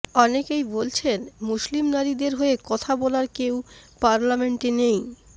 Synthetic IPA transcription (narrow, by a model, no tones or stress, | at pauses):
ɔnekejbolt͡ɕʰenmuʃlimnaɾid̪eɾɦoekɔt̪ʰabɔlaɾkewpaɾlameɳʈinej